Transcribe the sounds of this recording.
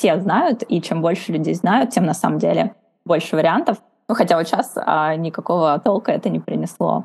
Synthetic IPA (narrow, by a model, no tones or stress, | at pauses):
fsʲe̞znajʊt̪it͡ɕembo̞lʲʂɨlʲʉdʲejznajʊt̪̚tʲemnɐsa̰məmdʲelʲɪ | bo̞lʲʂɨvəɾʲɪant̪əf | nuxɐtʲavot̪ɕasə̰nʲɪkɐko̞vət̪olˠkəɛt̪ənʲɪpɾʲɪnʲɪslˠo̰